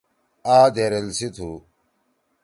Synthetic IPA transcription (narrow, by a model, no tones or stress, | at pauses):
aːd̪eɾelsit̪ʰu